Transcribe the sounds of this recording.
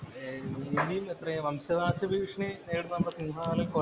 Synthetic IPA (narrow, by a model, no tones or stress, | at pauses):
ind̪ijumet̪rɐjɐʋɐmɕɐd̪aːɕɐbʱiːkʂɳineːɽunːnɐmːɐɽesinɦaːlɐko